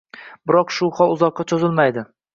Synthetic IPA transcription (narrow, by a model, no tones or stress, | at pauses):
bɪɾɒqʃʊhɒlˠʊzɒqːɑt͡ʃʰozɪlmajd̪ɪ